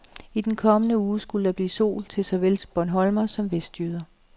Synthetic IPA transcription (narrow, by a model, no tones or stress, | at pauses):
id̥enkʰɒ̽mənəuːsɡ̥uləd̥ɑb̥lḭːso̝̰ːlt͡sʰe̝lsɒ̽ʋels̚b̥ɒnɦɒ̽lmɐsɒ̽mʋesd̥jyð̞ˠɐ